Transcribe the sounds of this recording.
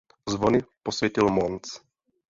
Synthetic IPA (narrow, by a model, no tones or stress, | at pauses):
zʋoniposʋʲjɛcilmɔnt͡s